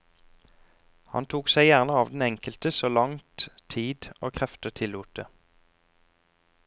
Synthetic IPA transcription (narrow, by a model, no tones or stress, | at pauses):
hɑ̰nt̪ʰuːksæɪjæʁnəɑːʋd̪n̩ɛŋkəlt̪əsoːlɑŋt̪ʰiːd̪oːkʰʁɛft̪ət̪ʰɪluːt̪ə